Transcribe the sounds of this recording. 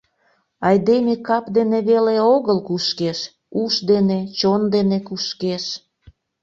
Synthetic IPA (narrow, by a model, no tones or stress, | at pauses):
ɑjd̪emekɑpd̪eneβeleoɣəlkuʃkeʃ | uʃd̪enet͡ɕond̪enekuʃkeʃ